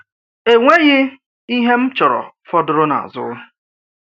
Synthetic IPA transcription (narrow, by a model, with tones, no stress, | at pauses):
e˨ŋʷe˦ɣɪ˦ | i˦ɦe˦m̩˦t͡ʃɔ˨ɾɔ̰˨fɔ˦dʊ˨ɾʊ˦na̰˨a̰˨zʊ̰˦